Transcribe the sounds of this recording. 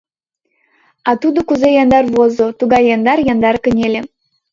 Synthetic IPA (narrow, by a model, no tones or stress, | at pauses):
ɑt̪ud̪okuzejɑnd̪ɑrβozot̪uɡɑjːɑnd̪ɑrjɑnd̪ɑrkə̆nʲelʲe